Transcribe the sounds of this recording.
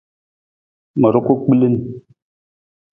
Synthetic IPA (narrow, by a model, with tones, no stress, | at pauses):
mə˨ɾu˦ku˦k͡pi˦li˦n˨